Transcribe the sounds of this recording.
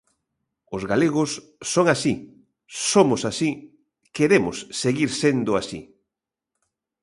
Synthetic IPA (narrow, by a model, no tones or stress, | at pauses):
ʊzɣaleɣʊsː | oŋasi | somʊsasi | keɾemʊsːeɣiɾsend̪ʊasḭ